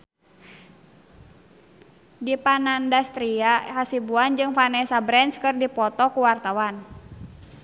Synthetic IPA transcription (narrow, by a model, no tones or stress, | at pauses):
dipanandast̪ɾiaɦasibuand͡ʒɨŋfanɛsabɾɛnskɨrdipɔt̪ɔkuwart̪awan